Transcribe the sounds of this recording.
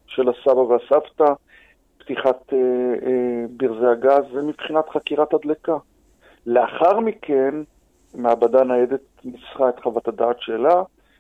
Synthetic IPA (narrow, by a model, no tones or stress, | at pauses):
ʃelasabaveasavt̪a | pt̪iχat̪e | biʁzeaɡazːemipχinat̪χakiʁat̪ad̪leka | le̞aχaʁmikʰe̞n | meabad̪anajed̪et̪̚nit͡sχaet̪χavat̪ad̪aːt̪ʃela